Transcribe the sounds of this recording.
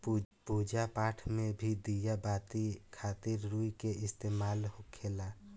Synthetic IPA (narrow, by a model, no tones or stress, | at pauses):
puːd͡ʒapaːʈʰmẽbʱid̪ijabaːt̪ikʰaːt̪ɪɾɾuikeʔɪst̪eːmaːlɦokʰeːla